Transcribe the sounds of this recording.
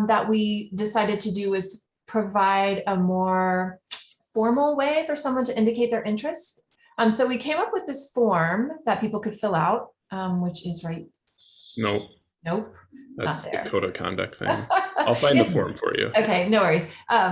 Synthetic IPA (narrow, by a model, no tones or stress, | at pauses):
ðəʔ̚widɨsaɪɾɨd̚tʰɨdɨɪz̥ | pʰɹ̥ɨvaɪɾəmɔɹ | fɔɹml̩ˠweɪfə˞sʌ̃mwʌ̃ntɨʔɪ̃ndɨkeɪt̪̚ðə˞ʔɪ̃nt͡ʃɹ̥ɨst | ʌ̃msoʊwikʰẽɪ̃mʌpwɨðɪsfɔɹmðɨt̚pipl̩ˠkɨd̥fɪlˠaʊt̚ | ʔʌ̃mwɨt͡ʃɪzɹaɪt̚ | noʊ | noʊpðæ̰nət̪̚ðə̰ɨ˞kʰoʊɾokʰɑ̰̃ndɨ̰k̚tθɪ̰̃ŋaɪlˠfãɪ̃nðəfɔ̰ɹɱfə̰˞jʉ̰oʊkʰeɪnoʊwɛɹiz̥ʔʌ